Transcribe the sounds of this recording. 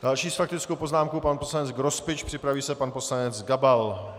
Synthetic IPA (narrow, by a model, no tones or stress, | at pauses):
d̥alʃiːsfak̚t̪ɪt͡skowpoznaːmkowpanposlanɛd͡zɡɾospɪt͡ʃpr̥ɪpɾaviːsɛpanpo̞slanɛt͡sɡabal